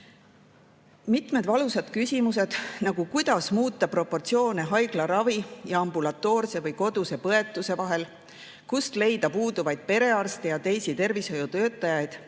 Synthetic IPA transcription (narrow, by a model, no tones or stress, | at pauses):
mit̪me̞d̪vɑlusɑd̪̥kysʲimuse̞d̪̥nɑɡ̥ukujd̪̥ɑsmuːt̪ːˑɑpro̞pːo̞rt̪sio̞ːneɦɑjɡ̥lɑɾɑvijɑɑmbulɑt̪ːˑo̞ːrse̞vɤjko̞d̪use̞pɤe̞t̪ːˑuse̞vɑɦe̞l | kust̪le̞jd̪ɑpuːd̪uvɑjd̪̥̚pe̞ɾe̞ɑrst̪ejɑt̪e̞jsit̪e̞rvisho̞jut̪ø̞ːt̪ːˑɑjɑjd̪̥